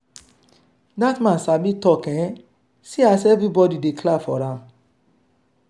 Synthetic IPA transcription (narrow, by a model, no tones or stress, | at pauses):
datmãnsamĩtɔkɛ̃ | siasɛvɾibɔdidekʰlafɔɾãm